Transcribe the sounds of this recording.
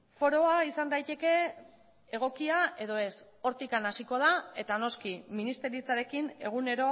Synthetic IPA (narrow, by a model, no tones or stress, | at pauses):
fo̞ɾo̞aisand̪ajt̪e̞ke̞ | eɣ̞o̞kiae̞ðo̞e̞s | o̞ɾt̪ikanasiko̞ð̞ae̞t̪ano̞skiminist̪e̞ɾit͡saɾe̞kine̞ɣ̞une̞ɾo̞